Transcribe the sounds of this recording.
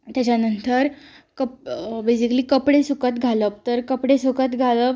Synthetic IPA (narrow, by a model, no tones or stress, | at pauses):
t̪jat͡ɕjanənt̪əɾ | kəbesikliːkəpɽesukət̪ɡʱaləp̚t̪əɾkəpɽesukət̪ɡʱaləp